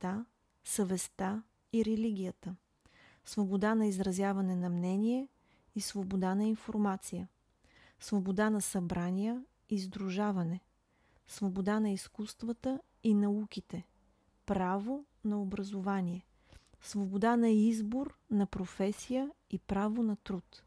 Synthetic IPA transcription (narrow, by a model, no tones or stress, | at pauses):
t̪a | səvɛst̪a | iɾɛliɡ̟ʲijət̪ə | svobod̪anɐizɾɐzʲjavɐnɛnɐmnɛniɛ | isvobod̪anɐinfoɾmat̪sijə | svobod̪anɐsɐbɾanijə | izd̪ɾuʒavɐnɛ | svobod̪anɐiskust̪vət̪ə | inɐukʲit̪ɛ | pɾavo | nɐobɾɐzovanʲiɛ | svobod̪anɐizboɾnɐpɾofɛsijəipɾavonɐt̪ɾut̪